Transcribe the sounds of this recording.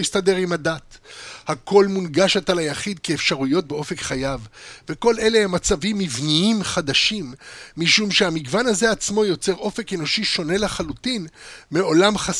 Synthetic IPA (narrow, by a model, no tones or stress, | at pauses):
jist̪ad̪e̞ʁimadat̪hakʰo̞lmunɡaʃet̪alajaχid̪̚keːfʃaʁujo̞t̚beo̞fe̞kχajavve̞ko̞le̞lehemːat͡savimːivniimχad̪aʃimːiʃumʃeamiɡvanaze̞at͡smo̞jo̞t͡se̞ʁo̞fe̞keno̞ʃiʃo̞ne̞leχalut̪inmeo̞lamχa